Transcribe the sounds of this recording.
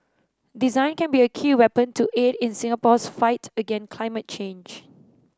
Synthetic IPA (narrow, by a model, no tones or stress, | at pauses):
dizãɪ̃nkɛ̃nbiəkʰiːwɛpə̃ntʰuʔedɪ̃nsɪ̃ŋəpɔsfaɪtəɡɛ̃nkʰl̥aɪmət̚t͡ʃẽnd͡ʒ